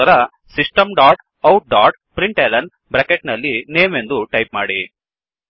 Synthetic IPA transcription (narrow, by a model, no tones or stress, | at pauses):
ɐɾɐ | siʂʈɐmɖaːʈ | ɐwʈ̚ɖaːʈpɾiɳʈeːlɐn | bɾɐkeʈnɐlːineːme̞nd̪uʈɐjp̚maːɽi